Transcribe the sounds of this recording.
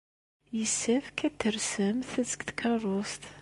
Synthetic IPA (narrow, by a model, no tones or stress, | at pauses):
jəsːæfkæt̪ːəɾsəmθət͡səɡt̪kʰɑrˤost̪